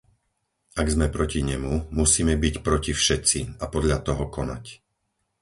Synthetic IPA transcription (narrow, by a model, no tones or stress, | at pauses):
ʔaɡzmɛpɾɔciɲɛmumusiːmɛbicpɾɔcifʃɛt̪t͡siapɔd̪ʎat̪ɔɦɔkɔna̰c